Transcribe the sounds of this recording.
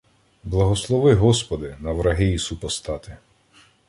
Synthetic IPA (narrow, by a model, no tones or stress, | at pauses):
blˠɐɦɔslˠɔʋɪɦɔspɔd̪ɪnɐʋɾɐɦɪisupɔst̪ɑt̪ɪ